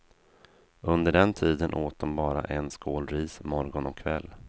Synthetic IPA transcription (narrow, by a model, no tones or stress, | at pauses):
ɵnd̪əɖɛnt̪ʰiːd̪ənʔoːt̪̚d̪ɔmbɑːɾa̰ʔɛnskoːlɾiːsmɔɾɡɔnɔkʰːvɛlː